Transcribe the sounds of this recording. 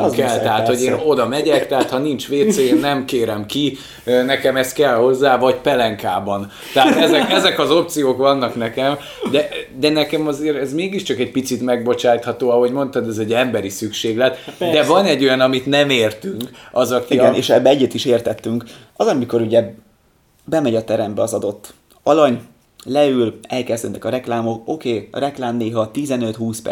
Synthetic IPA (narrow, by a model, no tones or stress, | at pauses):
kɛlt̪ɛɦaːt̪ho̞ɟeːno̞d̪ɒmɛɟɛkt̪ɛɦat̪hɒnint͡ʃʋeːt̪seeːnnːɛmkeːɾɛmki | nɛkɛmɛst̪̚kɛlho̞zːaːvɒɟpɛlɛŋkaːbɒn | t̪ɛɦat̪ɛzɛkɛzɛkɒzo̞p̚t̪sijoːkʋɒnːɒknɛkɛm | d̪ɛd̪ɛnɛkɛmɒzeːɾɛzmeːɡiʃt͡ʃɒkɛɟ̚pit̪sit̪mɛɡ̚bo̞t͡ʃaːt̪hɒt̪oːɒɦo̞ɟmo̞nt̪ɐd̪ɛzɛɟːɛmbɛɾisykʃeːɡlɛt̪d̪ɛvɒnɛɟːo̞jɒnɒmit̪nɛmeːrt̪yŋkɒzɒkiiɡɛneːʃɛbːɛɛɟːɛt̪iʃeːrt̪ɛt̪ːyŋk | ɒzɒmiko̞ɾuɟɛ | bɛmɛɟɒt̪ɛɾɛmbɛɒzɒd̪o̞t̪ː | ɒlɒɲ | lɛylɛlkɛzd̪øːnɛ̰kɒɾɛklaːmo̞ko̞keːrɛklaːmneːɦɒt̪izɛnø̞t̪huːspɛ̰